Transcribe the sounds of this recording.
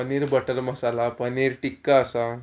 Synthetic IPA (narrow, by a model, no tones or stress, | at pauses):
əniɾbəʈəɾməsalapəniɾʈikːaəsa